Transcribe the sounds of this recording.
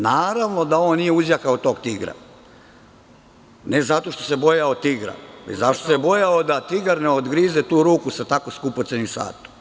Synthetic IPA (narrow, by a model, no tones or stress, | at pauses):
naːɾaʋno̞d̪aoːnːijeuzjakaot̪o̞ːɡt̪iɡɾa̰ | ne̞zat̪o̞ʃt̪o̞̥se̞bo̞jaot̪iɡɾa̰ḛzaʃt̪osebojaod̪at̪iɡaɾneod̪ɡɾizet̪uːɾuːkusat̪ako̞skupot̪senimsa̰ːt̪u̥